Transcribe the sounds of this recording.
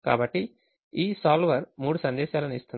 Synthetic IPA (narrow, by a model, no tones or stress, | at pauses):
ka̰ːbɐʈːi | iːsaːlʋɐɾmuːɽusɐnd̪ɛːʃaːlɐnist̪uni